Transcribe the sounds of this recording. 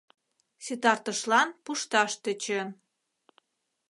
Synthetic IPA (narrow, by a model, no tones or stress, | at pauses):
syt̪ɑrt̪ə̆ʃlɑnpuʃt̪ɑʃt̪ət͡ɕə̆n